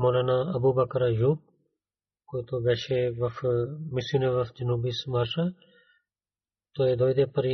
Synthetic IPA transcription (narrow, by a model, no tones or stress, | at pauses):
moːlaːnaɐbubɐkɐɾajuːb̚ | kot̪oɡɐʃeʋɐfmisuneʋɐfd͡ʒinubismaɾʃa | t̪oed̪oːjd̪epɐɾi